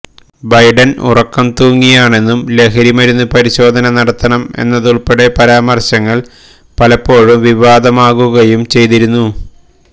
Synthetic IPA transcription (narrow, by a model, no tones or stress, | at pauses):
bɐjɖɐnṵrɐkːɐmt̪uːŋːijaːɳe̞nːumle̞kʰɐɾimɐɾunːupɐɾiɕo̞ːd̪ʱɐnɐnɐɽɐt̪ːɐɳɐme̞̰nːɐðuɭpeɽe̞pɐɾaːmɐrɕɐŋːɐɭ | pɐlɐpːo̞ːɻumʋiʋaːd̪ɐmaːɣuɣɐjumt͡ɕe̞jt̪iɾunːu